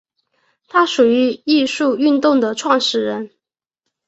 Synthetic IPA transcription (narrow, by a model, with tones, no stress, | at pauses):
t̪ʰa˥ʂu˨˩y˧˥i˥˧ʂu˥˧y˥˧nt̪ʊ˥˩ŋd̪ə˩ʈ͡ʂʰwɑ˥˧ŋʂɻ̩˥˩ɻə˧˥n